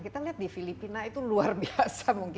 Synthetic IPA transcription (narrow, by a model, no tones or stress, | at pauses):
kit̪aliɦat̪̚difilipinait̪uluarbiasamuŋk